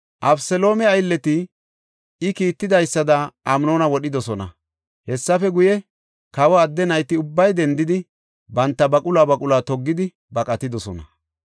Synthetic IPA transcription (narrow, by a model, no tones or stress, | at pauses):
ʔɐbsɛlo̞ːmɛɐjlːɛt̪ɪ | ɪkiːt̪ːɪd̪ɐjsːɐd̪ɐʔɐmno̞ːnɐwɔɗɪd̪ɔsɔnɐ̰ | hɛsːɐfɛɡʊjɛ | kɐwɐːd̪ːɛnɐjt̪ɪʊbːɐjd̪ɛnd̪ɪd̪ɪ | bɐnt̪ːɐbɐkʼʊlaːbɐkʼʊlaːt̪ɔɡːɪd̪ɪ | bɐkʼɐt̪ɪd̪ɔsɔnɐ